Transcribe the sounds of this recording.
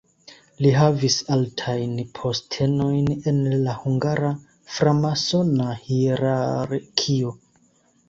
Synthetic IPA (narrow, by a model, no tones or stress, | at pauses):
liɦavisaltʰajnpʰo̞stʰe̞no̞jne̞nlahuŋɡaɾa | fɾamaso̞nahiɾaɾkʰio